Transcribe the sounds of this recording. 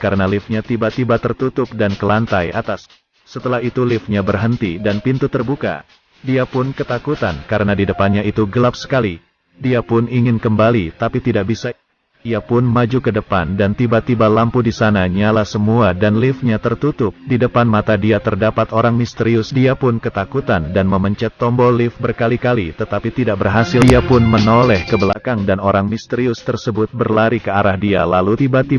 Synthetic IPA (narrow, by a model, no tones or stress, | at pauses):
kaɾənalɪfɲat̪ibat̪ibat̪ərt̪ut̪ʊp̚dankəlant̪aja̰t̪asː | ət̪əlahit̪ulɪfɲabərɦənt̪idanpint̪ut̪ərbuka̰ | diapʊnkət̪akut̪ankaɾənadidəpanɲait̪uɡəlap̚sə̥kali | diapʊniŋɪnkəmbalit̪apit̪idaʔbisa | iapʊnmad͡ʒukədəpa̰ndant̪ibat̪ibalampudisanaɲalahsəmuadanlɪfɲat̪ərt̪ut̪ʊp̚didəpanmat̪adiat̪ərdapat̪oɾaŋmist̪əɾiʊsdiapʊnkət̪akut̪andanməməɲt͡ʃɛt̪ːɔmbɔlɪfbərkalikalit̪ət̪apit̪idaʔbərɦasɪiapʊnmənolɛhkəbəlakaŋdanoɾaŋmist̪əɾiʊst̪ərsəbʊt̪̚bərlaɾikəaɾahdia̰lalut̪ibat̪i